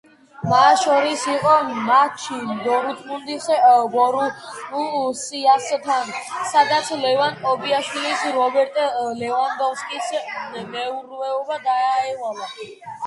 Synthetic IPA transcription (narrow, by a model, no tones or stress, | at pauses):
masʃɔɾisiqʼɔmat͡ʃʰid̪ɔɾut̪ʰmund̪isɡɔɾumusiast̪ʰansad̪at̪sʰlɛvankʼɔbiaʃwilisɾɔbɛɾt̪ʼlɛvand̪ɔfskʼismɛuɾvɛɔbad̪aːɛlala